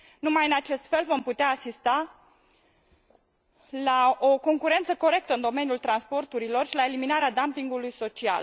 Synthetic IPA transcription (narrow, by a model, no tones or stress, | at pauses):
numajɨnat͡ʃe̞st̪fe̞lvo̞mput̪eaːsist̪a | laoko̞ŋkuɾe̞nt̪səko̞ɾe̞k̚t̪əɨnd̪o̞me̞niult̪ɾanspo̞rt̪uɾilo̞rʃilae̞liminaɾead̪ampiŋɡulujso̞t͡ʃia̰l